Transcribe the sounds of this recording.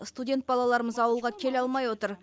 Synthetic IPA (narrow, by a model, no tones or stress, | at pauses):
st̪udʲe̞nt̪̚bɑlˠɑlˠɑɾəməzɑwəlˠʁɑkʲʰe̞lɑlˠmɑjwo̞t̪əɾ